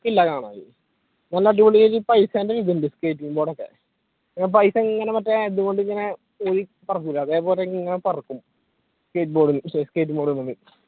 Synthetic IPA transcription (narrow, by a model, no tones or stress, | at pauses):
ilːɐkaːɳa̰ːjḭ | nɐlːɐʈ̬ːibɐɭiiɾipɐjsaːndeɾiðndɨskeːtːibo̞ːɽokːḛ | ɲːp̬ɐjsɐiŋːɐnemɐtːeeðuɣo̞ɳɖɨɲɐne | oɾipɐrɐkːulːɐɐðe̞ːpoːleiŋːɐnepɐrɐkːum | skeːt̬ːboːɽunːseske̞ːtːɨboːɽunːunːɨ